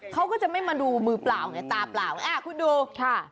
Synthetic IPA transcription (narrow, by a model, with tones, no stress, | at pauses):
kʰa˦˥wkɔː˥˩t͡ɕa˨˩ma˥˩jmaː˧duː˧mɯː˧plaː˨˩wŋa˧˩t̪aː˧plaː˨˩wʔaː˧˩kʰu˧˥ndoː˧kʰa˥˩